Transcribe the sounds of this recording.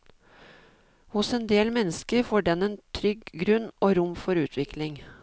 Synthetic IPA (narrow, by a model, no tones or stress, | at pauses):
hʊseːnd̪eːlmɛnːəskəɾfoːɖɛneːnt̪ʰɾʏɡɡɾʉnoːɾʊmfɔɾʉːt̪ʰʋɪklɪŋ